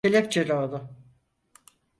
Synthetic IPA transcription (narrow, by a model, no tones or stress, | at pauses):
elʲɛpt͡ʃʰelʲod̪ʊ